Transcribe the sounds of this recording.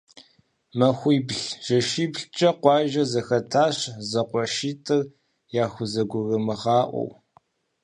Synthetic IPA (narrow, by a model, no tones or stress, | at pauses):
mɐxʷiːbɬʒ̥ɐʃiːbɬt͡ʃʼɐqʷɑːʒɐzɐxɐtʰaːɕzɐqʷɔʃiːtʰʼɨr | jaːxʷʊzɐɡʷʊrɐmɨʁɑːʔʷɔ̰w